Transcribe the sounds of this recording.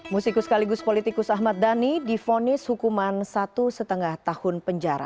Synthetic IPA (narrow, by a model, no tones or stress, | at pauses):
musikʊskaliɡʊspolit̪ikʊsaɦmat̪̚d̪anidifonɪshukumansat̪usət̪əŋaht̪ahʊnpəɲd͡ʒaɾa̰